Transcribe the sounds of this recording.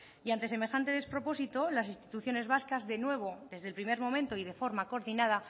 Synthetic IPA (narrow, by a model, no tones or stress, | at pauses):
jant̪e̞s̬e̞me̞xant̪e̞ð̞e̞spɾo̞po̞sit̪o̞lasinst̪i̥t̪uθjo̞ne̞zβaskazðe̞nwe̞β̞o̞ðe̞zðelpɾime̞ɾmo̞mẽ̞nt̪o̞ið̞e̞fo̞ɾmako̞ɾðinað̞a